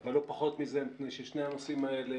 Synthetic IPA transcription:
velːo̞paχo̞t̪mizemipneʃeʃne̞jhanosimaele

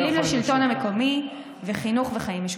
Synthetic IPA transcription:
limlaʃilto̞nhameko̞mi | veχinuχveχaimiʃ

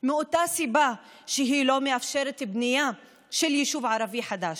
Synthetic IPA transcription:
mɪʔʊt̪ːaːsiba | ʃɪɦiːloːmɪʔafʃeːɾˤt̪bnɪjːa | ʃɪljɪʃuːbʕɑɾˤɑbiːħad̪aːʃ

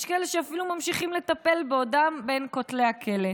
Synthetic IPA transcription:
ʃkeleʃeafilumamʃiχimle̞t̪ape̞lbeodambe̞nkotle̞jhakʰe̞le

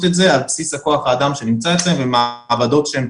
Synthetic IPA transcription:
t̪etze̞alpsishako̞aχaːd̪amʃe̞nimt͡saet͡slemvemavado̞tʃeem

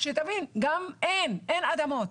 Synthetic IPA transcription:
ʃɛt̪avinɡamʔenʔenad̪amot̪

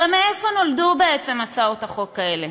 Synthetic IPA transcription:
emeefo̞no̞ldube̞et͡se̞mat͡saotaχo̞kːaele

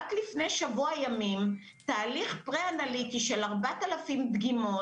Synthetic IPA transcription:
aklifne̞jʃavuajamim | t̪aːliχpʁeanalit̪iʃe̞laʁbat̪alafimd̪ɡimo

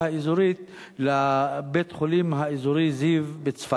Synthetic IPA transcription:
aizuɾit̪ | labet̪χolimɦaizuɾizivbet͡sfa

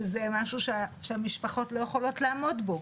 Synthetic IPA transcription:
zemaʃuʃeʃeamiʃpaχo̞tlo̞jeχolo̞tlaːmo̞dbo̞

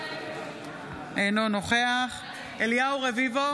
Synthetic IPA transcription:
ejnono̞χe̞aχ | eliauʁevivo̞

